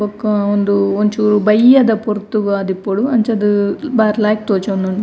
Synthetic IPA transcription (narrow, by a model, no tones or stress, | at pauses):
bɐkːɐond̪uoɲt͡ʃuːɾubɐjːɐd̪ɐpoɾt̪ːuɡɐɐd̪ipːoɽuɐnt͡ʃɐd̪ubaːɾlaːjk̚t̪oːt͡ʃond̪uɳ